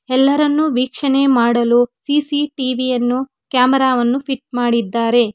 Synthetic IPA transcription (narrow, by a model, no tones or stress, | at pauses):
ɛlːɐɾɐnːuʋiːkʂɐne̞maːɽɐlusiːsiʈiːʋijɐnːu | kjaːmɐɾaːʋɐnːupʰiʈ̚maːɽid̪ːaːɾe̞